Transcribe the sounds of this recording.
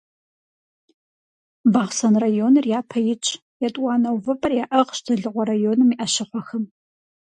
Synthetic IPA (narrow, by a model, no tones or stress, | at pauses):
bɐʁsɐnrajonɨrjaːpʰɐjɪt͡ʃʼ | jɛtʼwʷɑːnɐwvɐpʼɐrjaːʔɐʁʃdʰɨɮɨʁʷɔɾajoːnɨmiʔɐɕɪχʷɔxɨm